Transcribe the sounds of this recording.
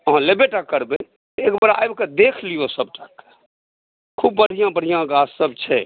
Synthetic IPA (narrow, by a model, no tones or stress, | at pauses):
əɦãlebeʈakːəɾbẽ | t̪ekbəɾa̰jbked̪ekʰlijosəb̚ʈak | kʰub̚ːəɽ̤ijãbəɽ̤ijãɡassəbt͡ʃʰɛ